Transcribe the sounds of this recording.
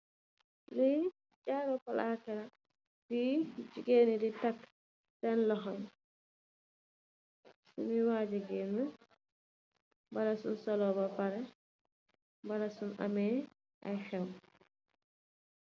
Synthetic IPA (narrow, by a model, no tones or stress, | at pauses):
lɛ | d͡ʒaːɾɔpalakɛɾa | did͡ʒiɡeniditakː | dɛnlɔɦɔn | sṵmiwaːd͡ʒɛɡɛna | balasunsɔlɔbabaɾɛ | balasuna̰mɛː | ʔajxɛw